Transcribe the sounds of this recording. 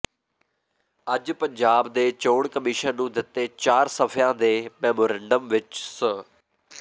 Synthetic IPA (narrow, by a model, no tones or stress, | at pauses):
əd͡ʒpəɲd͡ʒaːbd̪eːt͡ʃoːɽkəmɪʃənnũːd̪ɪt̪ːeːt͡ʃaːɾsəpʰjãːd̪eːmɛːmoːɾɛːɳɖəmʋɪt͡ʃsə